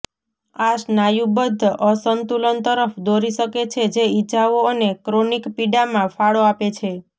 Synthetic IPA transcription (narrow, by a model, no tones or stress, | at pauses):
aʃnajũbəd̪ʱːʔəsənt̪ulənt̪əɾəfd̪oɾiʃəket͡ʃʰed͡ʒeid͡ʒaʋoənekɾonikpiɖamãfaɭoapet͡ʃʰe